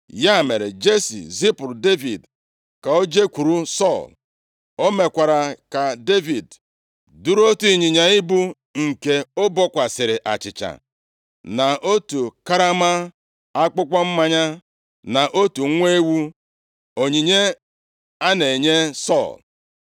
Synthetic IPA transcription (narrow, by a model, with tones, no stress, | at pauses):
ja˦˨me˨ɾḛ˨d͡ʒe˦sḭ˨zi˦pʊ˨ɾde˦vi˨d | ka˨o˦d͡ʒe˦kʷu˨ɾu˦sɔ˦˨l | o˦me˨kʷa˨ɾa˨ka˨de˦vi˨d | du˦ɾo˦tu˦i˨ɲi˨ɲa˨ɪ˦bu˦ | ŋ̩˨ke˨o˦bɔ˦kʷa˨sɪ˨ɾɪ˨ʔa˨t͡ʃɪ˨t͡ʃa̰˨ | na˨ʔo˦tu˨ka˦ɾa˦ma˦ | a˦k͡pʊ˦kʷa˦m̩˦ma˦ɲa˦ | na˨ʔo˦tu˨˦ŋʷe˦wu˦ | o˨ɲi˨ɲe˦ | a˦ne˨ɲe˦sɔ̰˦˨l